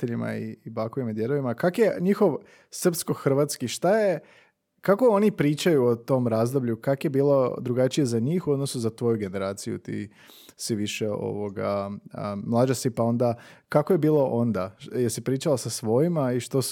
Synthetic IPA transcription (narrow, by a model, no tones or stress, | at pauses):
eʎima̰ḭbakoʋimad̪jeɾoʋimakakjeɲixo̞ʋ | sr̩psko̞xr̩ʋat̪skiʃt̪aje̞ | kako̞o̞nipɾiːt͡ʃajuot̪o̞mɾaːzd̪o̞bʎukakje̞biːlˠo̞d̪ɾuɡat͡ʃije̞zaɲiːxuod̪nosuzat̪ʋo̞juɡe̞ne̞ɾaːt̪sijṵt̪ḭ | siʋiʃeo̞̰ʋo̞ɡaəmlˠad͡ʒasipao̞nd̪akakojebiːlˠo̞ʔo̞nd̪ajesipɾiːt͡ʃalasasʋo̞jimaiʃt̪o